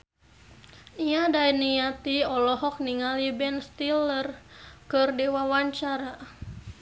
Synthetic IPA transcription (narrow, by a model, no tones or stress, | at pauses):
iadainijat̪iɔlɔɦɔk̚niŋalibɛnst̪ilərkɨrdewawaɲt͡ʃaɾa